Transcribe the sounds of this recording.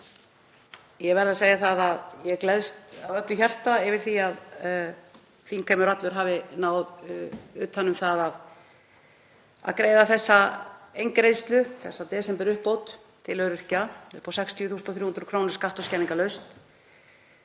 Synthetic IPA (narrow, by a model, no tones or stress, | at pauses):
jɛvɛɾðaseːjaθaðaðjɛɣklɛðst̪avœt̪ʏçar̥t̪aɛvɪɾ̥θiað | θikʰeːmʏɾat̪lʏɾ̥ɦaːvɪnaːwðʏːt̪hanːʏmθaðað | a̰ðkɾeːjðaθɛsːaejŋkɾejst̪lʏθɛsːat̪ɛːsɛmpɛɾʏhpːowt̪ | t̪ʰɪlœɥɾɪr̥caʏpʰɔsɛkst̪ʰiʏθuːsnt̪ɔθ̬juːhʏnɾʏkʰɾoːwnɪɾ̥skaht̪ɔscɛniŋkalœɥst̪